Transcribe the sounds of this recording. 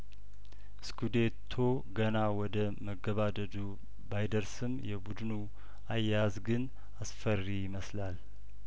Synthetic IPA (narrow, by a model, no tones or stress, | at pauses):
skʰud̪et̪ʰo | ɡənawɔd̪ə | məɡːəβad̪əd̪u | bajd̪əɾsɨmjɛbud̪ɨnu | ajazɡɨn | asfərːijɪməslal